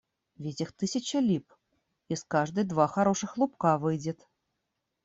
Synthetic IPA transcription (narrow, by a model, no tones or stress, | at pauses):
vʲetʲixt̪ɨsʲɐt͡ɕɐlʲip | iskaʐd̪ɨd̪vaxaɾɔʂɨxlˠupkavɨjd͡zʲɛt̪